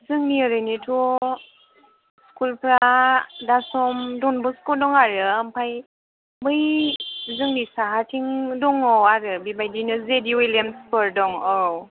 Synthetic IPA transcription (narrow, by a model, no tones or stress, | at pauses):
zɯŋniɯɾɯjnitʰɔ | skulpʰɾadasɔmdɔnbɔskɔdɔŋaɾɯampʰaj | mmɯjzɯŋnisaɦatʰiŋdɔŋɔwaɾɯbibajdinɯzediwelemspʰɯɾdɔŋɔw